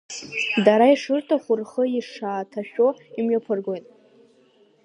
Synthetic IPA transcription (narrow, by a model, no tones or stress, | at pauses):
daɾaiʂɨrtʰaχʷʊrχəiʂaːtʰaʃᶣoimɥapʰɨrɡʷojtʼ